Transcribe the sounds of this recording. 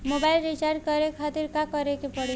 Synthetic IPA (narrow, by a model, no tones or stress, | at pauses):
mobaɪlɾit͡ʃaɾɖkɔɾekʰat̪iɾkakɔɾekepɔɽi